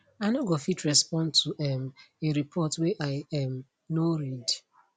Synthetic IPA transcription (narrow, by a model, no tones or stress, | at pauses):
anoɡɔfitɹɛspɔ̃ntʰuʔɛmeɾipʰɔtwɛʔaɪam | noɾid